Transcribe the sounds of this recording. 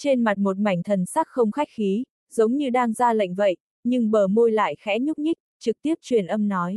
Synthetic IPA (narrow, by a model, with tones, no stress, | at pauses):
t͡ɕe˧nma˨˩t̚mo˨˩t̚ma˧˩jŋ̟t̪ʰə˨˩nsa˦˥k̚xə˧wŋ͡mxa˦˥jk̚xi˨˦ | zə˨˦wŋ͡mɲɨ˧ɗaː˧ŋzaː˧la̰˧˨jŋ̟və̰˧˨jʔ | ɲɨ˧ŋɓəː˧˩mo˧jla̰ː˧˨jxɛ˨˦ɲʊ˦˥p̚ɲï˦˥k̚t͡ɕɨ˨˩k̚t̪i˦˥əp̚t͡ɕwi˨˩ənʔə˧mnɔ˨˦j